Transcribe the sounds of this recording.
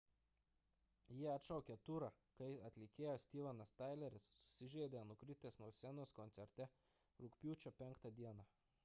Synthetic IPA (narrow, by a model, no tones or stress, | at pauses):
jiɛɐt̪ʃɐʊkʲɛt̪uɾɑ | kɐɪɐt̪ʲlʲɪkʲeːjoːsʲt̪ʲiːʋɐnɐst̪ɐɪlʲɛɾʲɪsːʊ̥sʲɪʒʲeːd̪ʲenʊkɾʲɪt̪ʲeːsnuɔsʲɛnoːskɔnt̪sʲɛɾʲt̪ʲɛ | ɾʊkpʲuːt͡ʃʲopʲɛŋˑkt̪ɐd̪ʲiɛnɑ